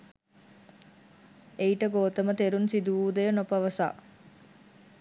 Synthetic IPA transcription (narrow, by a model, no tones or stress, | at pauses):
eiʈəɡoːt̪ɐmət̪eɾunsid̪uuːd̪ejənopɐʋɐsa̰ː